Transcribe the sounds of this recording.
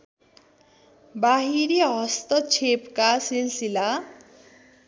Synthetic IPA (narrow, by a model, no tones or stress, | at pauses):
baɦiɾiɦʌst̪ʌt͡sʰepkasilsila